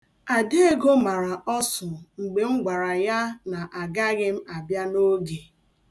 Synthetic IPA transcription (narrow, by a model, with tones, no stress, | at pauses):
a˨de˦e˦ɡo˦ma˨ɾa˨ʔɔ˦sʊ˨ŋ͡m̩˨ɡ͡be˨ŋ͡m̩˦ɡʷa˨ɾa˨ja˦na˨ʔa˨ɡa˦ɣɪ˦m̩˦a˨bja˦no˦ɡe˨